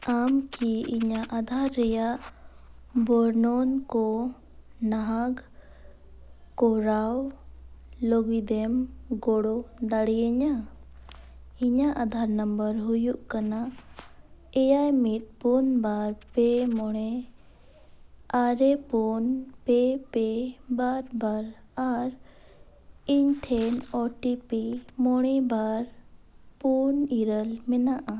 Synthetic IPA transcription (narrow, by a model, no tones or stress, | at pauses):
amkiiɲaʔad̪ʱaɾːɛjaʔ | bɔɾnɔnkɔ | naɦaɡ | kɔɾaw | lɔɡid̪ɛmɡɔɽɔd̪aɽiɛɲa | iɲaʔad̪ʱaɾnəmbəɾɦujuʔkana | ɛjajmit̪̚punbaɾpɛmɔɽ̃ɛ | aɾɛpunpɛpɛbaɾbaɾaɾ | iɲʈʰɛnɔʈipimɔɽ̃ɛbaɾ | puniɾəlmɛnaʔa